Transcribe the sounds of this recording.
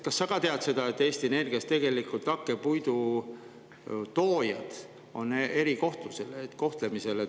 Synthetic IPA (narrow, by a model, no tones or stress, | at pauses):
kɑsːɑɡ̥ɑt̪e̞ɑd̪̥se̞d̪̥ɑe̞t̪ːe̞ːst̪iene̞rɡ̥iɑst̪e̞ɡ̥e̞likˑult̪ˑɑkːe̞pujd̪u | t̪o̞ːjɑd̪̥ | o̞ne̞ɾiko̞ht̪luse̞let̪ːko̞ht̪le̞mise̞le